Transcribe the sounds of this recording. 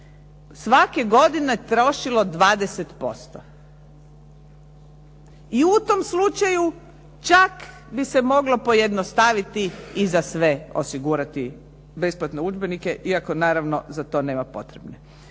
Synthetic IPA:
sʋakeɡo̞d̪inet̪ɾo̞ʃilo̞d̪ʋaːd̪eset̪po̞st̪o | iut̪o̞mslut͡ʃaju | t͡ʃak | bise̞mo̞ɡlopo̞je̞d̪nost̪aʋit̪iːzasʋe̞o̰siɡuːɾat̪i | be̞splat̪ne̞ud͡ʒbenike̞ʔiako̞naːɾaʋno̞zat̪o̞ːne̞ːmapo̞̰t̪ɾebne

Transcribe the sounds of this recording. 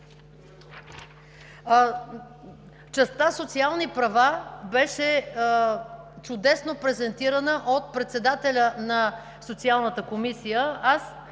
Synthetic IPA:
t͡ʃɛst̪asot̪sialˠnipɾɐvabɛʃɛ | t͡ʃʊd̪ɛsnopɾɛzɛnt̪iɾənəʔot̪̚pɾɛt̪sɛd̪at̪ɛlʲənɐ | sot̪sialˠnət̪əkomisijəas

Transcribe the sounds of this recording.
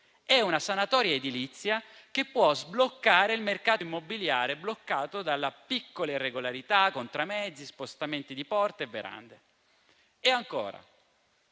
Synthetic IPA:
ɛunasanat̪ɔːɾjaed̪ilit̪sːjakepːwɔzblokːaːɾeilmerkaːt̪oimːobiljaːɾeblokːaːt̪od̪alːapikːolairːeɡolaɾit̪akːont̪ɾamɛd̪zːispost̪ament̪id̪ipɔrt̪eevːeɾa̰nd̪e | eaŋko̰ːɾa̰

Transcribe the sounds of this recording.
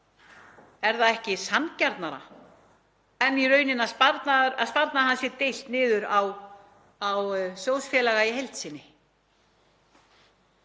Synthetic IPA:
ɛɾθaðɛhcɪsancaɾt̪naɾa̰ | ɛnːiɾœːɥnɪnaðspaɾt̪naɾa̰ðspaɾt̪naɦansɪɾt̪ɪjl̥t̪nɪːðʏɾaw | awsjowsfjɛːlaɣaiɦejlt̪sɪnːɪ

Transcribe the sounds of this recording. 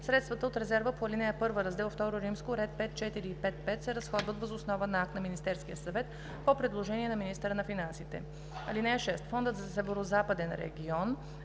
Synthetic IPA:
sɾɛt̪st̪vət̪əot̪ɾɛzɛɾvəpoɐlinɛjəpɤɾvəɾɐzd̪ɛlˠft̪ɔɾoɾimskoɾɛt̪̚pɛt̪̚t͡ʃɛt̪iɾiːpɛt̪pɛt̪sɛɾɐsxɔd̪vət̪vəzʊsnɔvənɐak̚t̪nɐminist̪ɛɾskijəsɐvɛt̪ | popɾɛd̪lˠoʒɛniɛnɐminist̪əɾənɐfinansit̪ɛ̰ | ɐ̰linɛəʃɛst̪fɔnd̪ət̪zɐsɛvɛɾozapəd̪ɛnɾɛ̰ɡʲiɔn

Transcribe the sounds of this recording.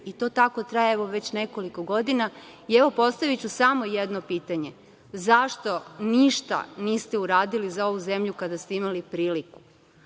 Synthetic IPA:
it̪o̞t̪ako̞t̪ɾajeeʋo̞ʋe̞t͡ɕne̞ko̞liko̞ɡo̞d̪inaieʋo̞po̞st̪aʋit͡ɕusamo̞jed̪no̞piːt̪aɲe̞ | zaʃt̪o̞niʃt̪a̰niːst̪e̞uɾaːd̪ilizao̞ʋuze̞mʎukad̪ast̪eimalipɾiːliku̥

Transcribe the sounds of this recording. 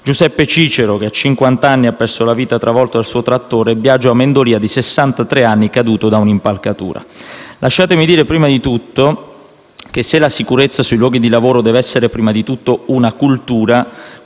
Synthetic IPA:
d͡ʒuzɛpːet͡ʃiːt͡ʃeɾokeat͡ʃːiŋkwant̪aanːiapːɛrsolaviːt̪at̪ɾavɔlt̪oalsuːot̪ɾat̪ːoːɾebːjad͡ʒːoamːend̪oliːad̪isesːant̪at̪ɾeanːikad̪uːt̪od̪aunimpalkat̪ṵːɾa̰lʔaʃːaːt̪emid̪iːɾepɾiːmad̪it̪ut̪ːo | k̟esːelasikuɾet̪sːasuilwɔːɡid̪ilavoːɾod̪ɛːvɛsːeɾepɾiːmad̪it̪ut̪ːounakult̪uːɾa

